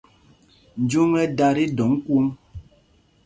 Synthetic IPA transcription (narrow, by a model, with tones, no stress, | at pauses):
n̩˨d͡ʒu˦ŋɛ˦da˦ɾi˦dɔ˨˦ŋ̩˦ku˦m